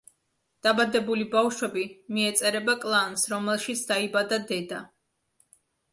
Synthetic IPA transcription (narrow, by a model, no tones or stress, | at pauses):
d̪̥abad̪ɛbulibafʃwɛbimiɛt̪sʼɛɾɛbakʼlˠansɾɔmɛlˠʃit̪sʰd̪aibad̪ad̪ɛd̪a